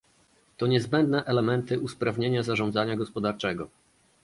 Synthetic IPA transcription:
t̪ɔɲɛzbɛnd̪nɛʔɛlɛmɛnt̪ɘʔuspɾavɲeɲazaʐɔnd̪zaɲaɡɔspɔd̪aɾt͡ʂɛɡɔ

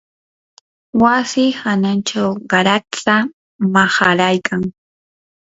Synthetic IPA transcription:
wasɪhanant͡ʃawɢɑɾat͡sa | maχaɾajkʰaŋ

